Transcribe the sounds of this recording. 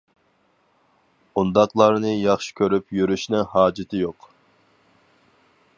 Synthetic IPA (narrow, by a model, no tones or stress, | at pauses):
und̪ɑqlˠɑɾnɨjɑχʃi̥kʲøɾypjyɾyʃnɪŋhɑːd͡ʒɪt̪ʰɪjoq